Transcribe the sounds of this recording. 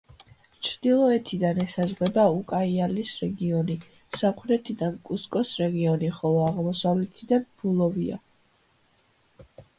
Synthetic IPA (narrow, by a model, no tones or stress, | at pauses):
t͡ʃʰɾd̪ilˠɔɛt̪ʰid̪anɛsazʁɛbaukʼaialisɾɛɡiɔni | samχɾɛt̪ʰid̪ankʼuskʼɔsɾɛɡiɔniχɔlˠɔaʁmɔsavlɛt̪ʰid̪anb̥ulˠɔvia̰